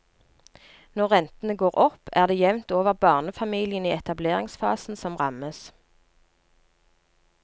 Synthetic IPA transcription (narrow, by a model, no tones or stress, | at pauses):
nɔʁʁɛnt̪ən̩əɡoːʁɔpæːʁd̪eːjɛʋnt̪oːʋəʁbɑːʁnəfɑmiːlɪəniːɛt̪ɑbleːʁɪŋsfɑ̰ːsn̩sɔmʁɑməs